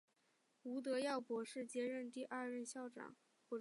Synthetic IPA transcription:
u˧˥t̪̬ɤ˧˥jɑ˥˩ʊpwɔ˧˥ʂɻ̩˥˩t͡ɕjɛ˥ɻə˥˧nt̪i˥˧ʔa˥˧ɻə˥˧nɕjɑ˥˩ʊʈ͡ʂɑ̰˨˩˦ŋ | pu˧˩

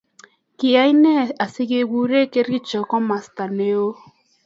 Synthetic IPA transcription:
kɪ˨a˦i˦nɛ˦˨a˨si˦ɡe˦˨ɡu˦ɾe˦˨ke˦ɾi˦t͡ʃɔ˨kɔ˦ma˨sta˨ne˦o˦

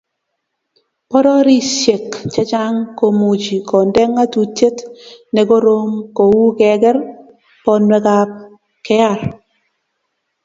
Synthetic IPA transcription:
pɔ˦ɾɔ˦ɾi˦sje˨kt͡ʃɛ˦t͡ʃa˦ŋko˨mu˨d͡ʒi˨kɔ˨ndɛ˦ŋa˦tu˨te˦tnɛ˨ko˦ɾo˦ŋko˨wu˦kɛ˨ɡɛ˦ɾ | pɔ˦nwɛ˦ka˨p̚ | kɛ˦a˦˨ɾ

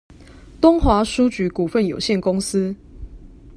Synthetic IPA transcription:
t̪ʊ˥ŋxwa˨˥ʂu˦t͡ɕy˨˦ku˨˩fə˥˨njo˨˩ʊɕjɛ˥˨nkʊ˦˥ŋs̩˦

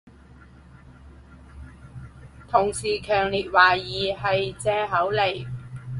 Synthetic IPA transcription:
t̪ʰʊ˨˩ŋsiː˨˩kʰœː˨˩ŋliː˨˩t̚waː˨˩jiː˨hɐ˨jt͡sɛː˧ɦɐ˨˥wle˨˩j

